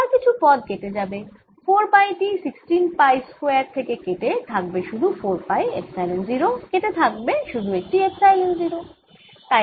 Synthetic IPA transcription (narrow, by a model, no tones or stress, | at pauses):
aɾkit͡ɕʰupɔd̪̚ket̪ed͡ʑabe | foɾpajʈisiksʈinpajskoak̚t̪ʰekekeʈet̪ʰak̚beʃud̪ʱufoɾpajefsajlenziɾokeʈ̪et̪ʰak̚beʃud̪ʱuek̚ʈiepsajlenziɾo | t̪a